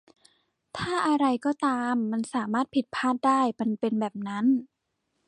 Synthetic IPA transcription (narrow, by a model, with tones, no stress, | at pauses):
t̪ʰaː˥˩ʔa˧ɾa˧jkɔː˥˩t̪aː˧mːa˧nsaː˩˦maː˥˩t̪̚pʰi˨˩t̪̚pʰaː˥˩t̪̚daː˥˩jma˧npe˧nbɛː˨˩p̚na˦˥n